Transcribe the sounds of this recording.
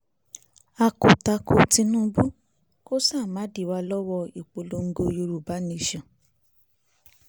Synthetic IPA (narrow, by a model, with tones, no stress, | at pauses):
a˧ko˨ta˧ko˧tĩ˧nũː˦bu˦ | ko˦saː˦˨ma˨˦di˦˨wa˧lɔ˦wɔ˧i˨k͡po˧lo˧ŋ̩˦ɡo˧jo˧ɾu˨ba˨˦nĩ˧˨ʃã˨